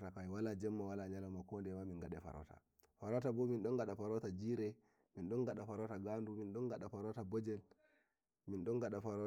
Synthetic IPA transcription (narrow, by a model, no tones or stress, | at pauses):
takajwalad͡ʒɛmːawalaɲalamakɔndɛmaminɡaɗɛfa̰ɾɔ̰ta̰ | faɾɔtabɔminɗɔnɡaɗafaɾɔtad͡ʒiːɾɛ | minɗɔnɡaɗafaɾɔtaɡanduminɗɔnɡaɗafaɾɔtabɔd͡ʒɛl | minɗɔnɡaɗafaɾɔ